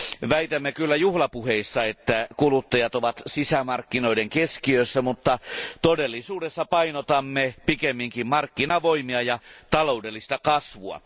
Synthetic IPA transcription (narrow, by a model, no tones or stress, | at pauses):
ʋæit̪æmːekylːæjuhlɑpuheisːɑet̪ːækulut̪ːɑjɑt̪oʋɑt̪sisæmɑrkːino̞ideŋkeskiøsːæmut̪ːɑt̪odelːisuːdesːɑpɑinot̪ɑmːepikemːiŋkimmɑrkːinɑʋoimiɑjɑt̪ɑloudelːist̪ɑkɑsʋuɑ̰